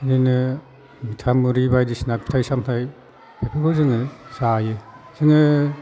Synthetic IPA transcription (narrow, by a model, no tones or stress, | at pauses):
dɯnɯ | mitʰamɯɾibajdisinapʰi̥tʰajsamtʰaj | bepʰɯɡʰɔzɯŋɯsajɯ | z̥ɯŋɯ